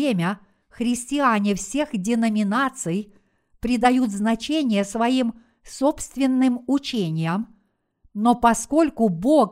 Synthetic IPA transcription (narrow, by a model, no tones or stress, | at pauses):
emʲə | xɾʲɪsʲtʲɪanʲɪfsʲe̞xdʲɪnəmʲɪnat̪sɨj | pɾʲɪd̪ɐjut̪znɐt͡ɕenʲɪjəsvɐim | so̞pst̪vʲɪnːɨmʊt͡ɕenʲɪjəm | nopɐsko̞lʲkʊbo̞k